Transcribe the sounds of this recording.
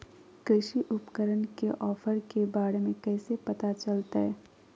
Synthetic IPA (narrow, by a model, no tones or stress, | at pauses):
kɾɪʃiʔʊpkəɾənkeʔɔːfəɾkebaːɽemẽkɛːsepɐt̪at͡ʃɐlt̪aɦɛː